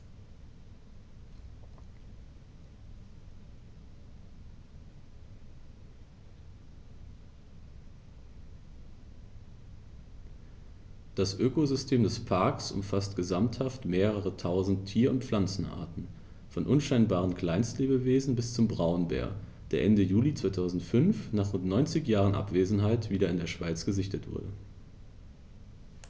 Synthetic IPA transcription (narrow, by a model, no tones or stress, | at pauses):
d̥asʔøːkozʏstʰeːmdɛspʰaɐksʔʊ̰mfastɡ̥əzamthaftmeːʁ̞əʁətʰaʊzn̩tʰiːɐʊntp͡flant͡sn̩ʔa̰ɐtn̩ | fɔnʔʊnʃaɪnbaːʁ̞ənkl̥aɪnstleːbəveːzn̩bɪst͡sʊmbʁaʊnbɛ̰ːɐ | d̥eːɐʔɛndəjuːlit͡sv̥aɪtʰaʊzn̩tfʏnfnaːχʁʊntnɔʏnt͡sɪçjaːʁənʔa̰pv̥eːzn̩ɦaɪtv̥iːɾɐɪndeːɐʃv̥aɪt͡sɡ̥əzɪçtətv̥ʊ̰ɐdə̰